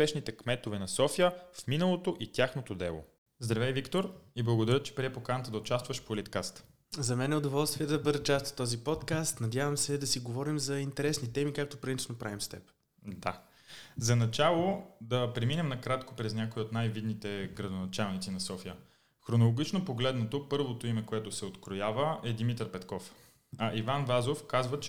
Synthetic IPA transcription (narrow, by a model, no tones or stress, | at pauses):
pɛʃnit̪ɛkmɛt̪ovɛnɐsɔfijəfminəlˠot̪oʔit̪ʲaxnot̪od̪ɛlˠo̰ | zd̪ɾɐvɛjvikt̪oɾiblˠɐɡod̪ɐɾʲət͡ʃɛ̥pɾiɛpokanət̪əd̪ɐʊt͡ʃast̪vəʃpolit̪kast̪ | zɐmɛnɛʊd̪ovɔlˠst̪viɛd̪ɐbɤd̪ət͡ʃast̪t̪ɔzipɔt̪kast̪nɐd̪ʲjavɐmsɛd̪ɐsiɡovɔɾimzɐint̪ɛɾɛsnit̪ɛmikak̚t̪opɾɐinnopɾavimst̪ɛp | d̪a | zɐnɐt͡ʃalˠod̪ɐpɾɛminɛmnɐkɾat̪ko̥pɾɛznʲakoiot̪najvid̪nit̪ɛɡɾɐd̪onɐt͡ʃalˠnit̪sinɐsɔfijə | xɾonolˠoɡ̟ʲit͡ʃnopoɡlɛd̪not̪opɤɾvot̪oimɛkoɛt̪ʊsɛot̪kɾojavəɛd̪imit̪əɾpɛt̪kɔf | ɐʔivanvazofkazvət͡ʃ